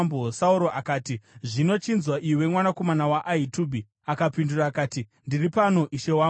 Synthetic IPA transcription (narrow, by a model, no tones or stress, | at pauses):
mbosauɾo̞ʔakaːtiʐino̞t͡ʃinzwaʔiiwe̞mwanako̞manawaʔaituːbʱi | akapinduraːkaːtindiripano̞ʔiʃewa